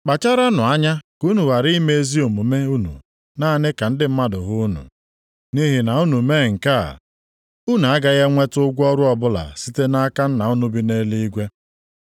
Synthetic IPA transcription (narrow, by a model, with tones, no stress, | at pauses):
k͡pa˨t͡ʃa˦ɾa˦nʊ˨a˦ɲa˦ku˦nu˨ɣa˨ɾi˦me˦e˦zi˦o˨mu˨me˦u˦nṵ˨ | naː˦˨nɪ˦ka˨n̩˦dɪ˦m̩˦ma˦dʊ˨ɣʊ˦nṵ˨ | ni˦ɦi˨na˨u˦nu˨meː˦˨ŋ̩˨ka̰˦˨ | u˦nu˨a˦ɡa˦ɣa˦ŋʷe˦tʊ˦ɡʷɔ˦ɾʊ˦ɔ˨bʊ˦la̰˨si˦te˦na˦ka˦n̩˦na˨ʊ˦nu˦bi˦ne˦li˦i˦ɡʷe˦